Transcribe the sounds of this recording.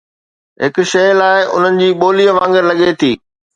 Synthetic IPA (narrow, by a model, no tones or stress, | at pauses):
ɦɪkʊ̆ʃɐjlaːɪʔʊ̰n̤ənɪ̆d͡ʑiːɓoːliːəʋãːŋɡɪɾlɐɠet̪ʰiː